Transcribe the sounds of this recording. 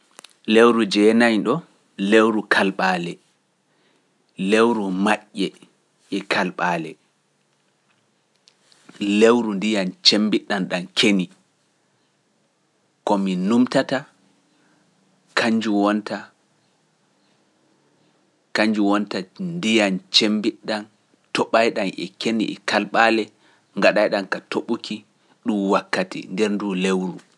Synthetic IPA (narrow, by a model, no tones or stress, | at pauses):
lewɾud͡ʒɛːnajɗɔ | lewɾukʰalɓaːlɛ | lewɾumaʔːɛ | ʔɛkʰalɓaːlɛ | lewɾundijant͡ʃembiɗanɗankʰeni | kɔminumtata | kʰaɲd͡ʒuwɔnta | kaɲd͡ʒuwɔntandijant͡ʃembiɗːan | tɔɓajɗanʔɛ̰kenḭʔɛ̰kalɓalɛ | ŋɡaɗajɗankatoɓukʰi | ɗumwakːatḭndɛɾnduːlewɾu